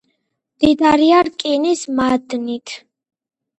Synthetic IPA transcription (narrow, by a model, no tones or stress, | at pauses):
md̪̥id̪aɾiaɾkʼinismad̪nit̪ʰ